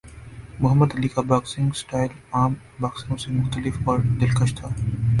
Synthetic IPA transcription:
mʊɦəmːəd̪ɐliːkabaːksɪ̃ŋɡsʈaːɪlaːm | baːksɪ̃ŋɡosemʊxt̪əlɪfɔːɾd̪ɪlkəʃt̪ʰaː

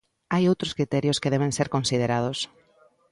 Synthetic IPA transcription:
ajowt̪ɾʊskɾit̪ɛɾjʊskeðɛβẽnseɾkõnsið̞eɾað̞ʊs

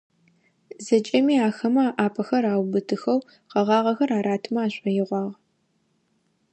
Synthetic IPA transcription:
zɐt͡ʃʼɐmiːaːxɐmɐaːʔaːpʰɐxɐɾaːwbɨtʰɨxɐw | qɐʁɑːʁɐxɐɾaːɾaːtʰɨmɐaːɕʷʼɐjɪʁʷɑːʁ

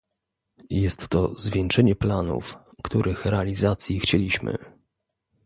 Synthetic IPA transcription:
jɛst̪ːɔzvʲjɛŋt͡ʂɛɲɛplanṵfkt̪uɾʔɘxɾɛalʲizat̪sʲjixt͡ɕelʲiɕmɘ̰

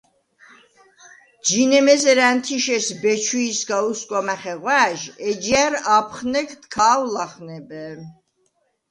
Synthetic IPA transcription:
d͡ʒinɛmɛzɛɾænt̪ʰiʃɛsbɛt͡ʃʰuːsɡauskʼwamɛχɛʁwæʒɛd͡ʒiæɾapʰχnɛkʰt̪kʰaːwlaχnɛbɛ

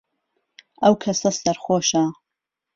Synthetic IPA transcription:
ɐwkʰɐsɐsɐɾχoːʃa

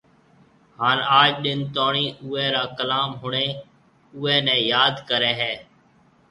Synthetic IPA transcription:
haːnaːd͡ʒɗɪnt̪aːɳiːʊːɛːɾaːkəlaːmɦʊɳeː | ʊːɛːnɛ̃ːjaːd̪kəɾɛːɦɛː

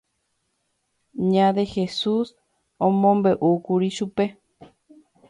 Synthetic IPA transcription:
ɲãd̪e̞he̞sus | õmõmbeʔukuɾiʃupe̞

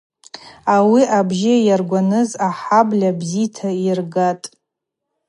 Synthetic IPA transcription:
awiʔabʒɪjarɡʷanɨzaħablʲabzitʰairɡatʼ

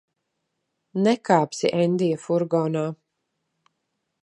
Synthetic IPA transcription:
nɛkaːpsiʔɛnd̪ijafuɾɡɔːnaː

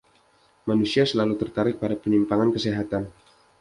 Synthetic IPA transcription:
manusiasəlalut̪ərt̪aɾɪk̚padapənimpaŋankəsiɦat̪an

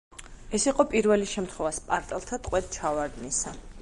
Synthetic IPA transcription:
ɛsiqʼɔpʼiɾvɛliʃɛmt̪ʰχwɛvaspʼaɾt̪ʼɛlˠt̪ʰat̪ʼqʼwɛt̪̚t͡ʃʰavaɾd̪nisa

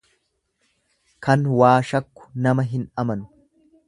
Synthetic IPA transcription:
kʰɐnwaːʃɐkːʊ̥nɐmɐɦɪnɐmɐnʊ̥

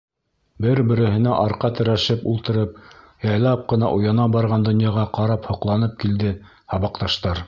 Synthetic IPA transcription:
bɘɾbɘ̆ɾɘ̆hɘ̆næʔɑɾqɑt̪ɘ̆ɾæʃɘpulˠt̪ɤ̆ɾɤp | jɑjlˠɑp̚qɤ̆nɑʔujɑnɑbɑɾʁɑnd̪ŏnjɑʁɑqɑɾɑphŏqlˠɑnɤp̚kild̪ɘ | hɑβɑqt̪ɑʃt̪ɑɾ

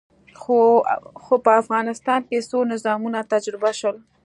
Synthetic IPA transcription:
xoxopəafɣɑnɪst̪ɑnpesonɪzɑmunat̪ad͡ʒɾɪbaʃwəl

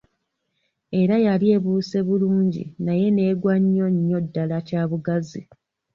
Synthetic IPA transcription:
e̞ɾajalie̞ːβuːse̞βuluːɲɟḭnaje̞ne̞ːɡwaɲːo̞ɲːo̞dːalacaːβuɡazi

